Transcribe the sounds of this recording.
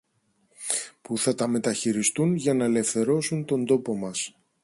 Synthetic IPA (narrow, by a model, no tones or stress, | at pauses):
puθɐt̪ɐme̞t̪ɐçiɾist̪unʝɐnɐele̞fθe̞ɾo̞sunt̪o̞nd̪o̞po̞mɐs